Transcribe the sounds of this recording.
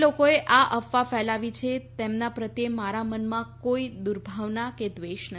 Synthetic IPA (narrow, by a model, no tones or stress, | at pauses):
lokoeʔaʔəfːafɛlaʋit͡ʃʰet̪emnapɾət̪jemaɾamənmãkoid̪uɾbʱaʋnaked̪ʋeʃnə